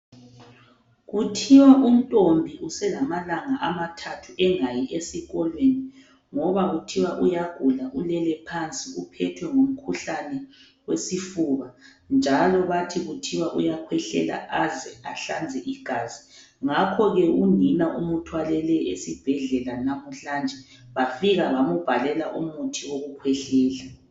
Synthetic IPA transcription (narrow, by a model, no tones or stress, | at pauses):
ɣutʰiwaʔum̩tʼombʱiʔusɛlamalaŋaʔamatʰatʰuɛŋajiʔesiɣɔlweni | ŋɔβaɣutʰiwaʔujaɡ̥ʱulaʔulɛlɛpʰant͡sʼiupʰɛtʰwɛŋom̩kʰuɬanɛ | wesifuβa | nd͡ʒʱalɔβatʰiɣutʰiwaʔujakʰwɛɬɛ̰la̰ʔazɛaɬand͡zʱɛʔiɡ̥ʱaːzi | ŋakʰɔɣɛunʱinaʔumutʰwalɛlɛesib̥ʱɛɮɛlanamuɬand͡ʒʱɛ | βafiɣaβamub̥ʱalɛlaʔumutʰiwoɣukʰwɛɬɛːla